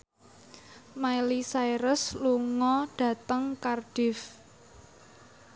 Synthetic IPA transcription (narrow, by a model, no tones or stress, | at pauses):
mailisajɾəsluŋɔɖ̥a̤t̪əŋkarɖ̥ɪf